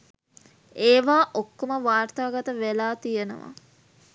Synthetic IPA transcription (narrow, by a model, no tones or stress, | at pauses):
eːʋaːʔokːoməʋaːrt̪aːɡat̪əʋelaːt̪ijenə̰ʋa̰